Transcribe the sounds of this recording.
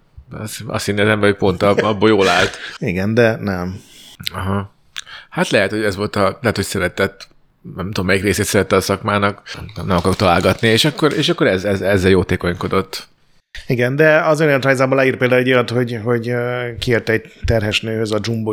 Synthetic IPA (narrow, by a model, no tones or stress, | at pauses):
sɒ̰st̪inːeːt̪ɛmbɛhocpo̞nt̪ɒɒbːojoːlaːlt̪iɡɛnd̪ɛnɛmɒɦɒ | hat̪lɛɦɛt̪ho̞ɟɛzʋo̞lt̪ɒlɛɦɛt̪ho̞csɛɾɛt̪ɛt̪ː | nɛmt̪ud̪omːɛjikreːseːt̪sɛɾɛt̪ːɛːsɒkmaːnɒknɛmɒkɒɾot̪ɒlaːlɡɒt̪nieːʃɒkːoɾḛːʃɒkːo̞ɾɛzɛzɛzːɛljoːt̪eːko̞ɲko̞d̪o̞t̪ː | iɡɛnd̪ɛɒzenɛt̪raːjzaːbolaiːrpeːld̪aːulɛojɒt̪ho̞ɟɦo̞ɟkieːrt̪ɛɛɟ̚t̪ːɛrɦɛʃnøːhøzɒd͡ʒumbo